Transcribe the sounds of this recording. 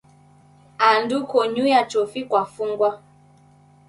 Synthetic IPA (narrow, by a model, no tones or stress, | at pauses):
andukɔɲujat͡ʃɔfikwafuŋɡwa